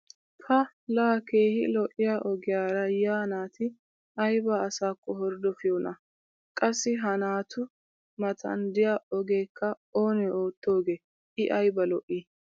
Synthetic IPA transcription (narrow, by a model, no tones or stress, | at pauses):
pʰɐ | laːkeːhɪlɔʔɪjaʔɔɡɪjaːɾɐjaːnaːt̪ʰɪ | ɐjbɐːsaːkːɔhɔɾd̪ɔfɪjoːnɐ | kʼɐsːɪɦɐnaːt̪ʰʊ | mɐt̪ʰɐ̰nd̪ɪjaɔɡe̞ːkʰːɐ | oːnɛoːt̪ːo̞ːɡeː | ʔɪʔɐjbɐlɔʔːiː